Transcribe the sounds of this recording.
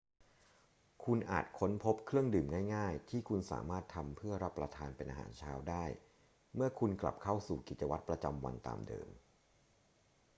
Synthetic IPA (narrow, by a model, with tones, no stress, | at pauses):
kʰu˧nʔa̰ː˨˩t̪̚kʰo˦˥npʰo˦˥p̚kʰɾɯ˥˩əŋdɯː˨˩mŋaː˥˩jŋaː˥˩jt̪ʰiː˥˩kʰu˧nsa̰ː˩˦maː˥˩t̪ʰːa˧mpʰɯ˥˩ɐɾa˦˥pːɾa˧t̪ʰaː˧npe˧nʔa˧ɦa̰ː˩˦nt͡ɕʰaː˦˥wdaː˥˩j | mɯ˥˩ɐkʰu˧nkla̰˨˩p̚kʰa˥˩wsuː˨˩ki˨˩t̪̚t͡ɕa˧wa˦˥t̪̚pɾa˧t͡ɕa˧mwa̰˧nt̪a̰ː˨˧mdɤ̰ː˧m